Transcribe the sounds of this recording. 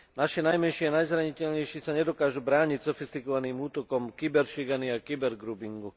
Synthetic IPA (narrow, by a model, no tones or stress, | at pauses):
naʃinajmɛnʃianajzɾaɲicɛʎɲɛjʃisaɲɛd̪ɔkaːʒubɾaːɲicsɔfist̪ikɔʋaniːmuːt̪ɔkɔmkibɛɾʃiɡaniakibɛɾɡɾuːbiŋɡu